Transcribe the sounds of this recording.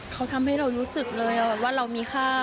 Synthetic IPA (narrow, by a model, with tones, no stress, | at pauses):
kʰa˦˥wt̪ʰa˧mɦa˥˩jɾa˧wɾuː˦˥sɯ˨˩k̚lɤː˧jʔa˨˩bɛː˨˩p̚waː˥˩ɾa˧wmiː˧xʰaː˥˩